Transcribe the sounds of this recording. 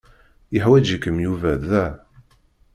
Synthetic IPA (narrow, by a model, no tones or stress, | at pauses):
jəħwæd͡ʒikːəmjuvæðæ